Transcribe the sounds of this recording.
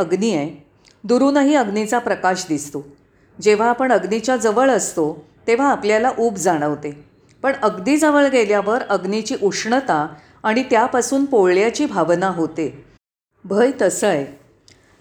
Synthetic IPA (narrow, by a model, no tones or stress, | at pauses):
əɡniej | d̪uɾuːnəɦiːəɡnit͡sapɾəkaɕd̪ist̪o | d͡ʑeʋ̤aːpəɳəɡnit͡ɕjad͡zəʋəɭəst̪o | t̪eʋ̤aːpljalaʔuːpd͡zaɽ̃əʋt̪e | pəɳəɡniːd͡zəʋəɭɡeljaʋəɾəɡnit͡ɕiːʔukʂɳət̪aː | ɽ̃it̪japasuːnpoɭɭjat͡ɕiːbʱaʋnaɦot̪e | bʱəjt̪əsəj